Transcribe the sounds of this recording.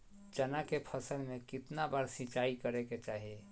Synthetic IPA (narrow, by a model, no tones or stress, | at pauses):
t͡ʃənakepʰəsəlmẽkɪt̪nabaːɾsĩt͡ʃaːikəɾeket͡ʃaːɦie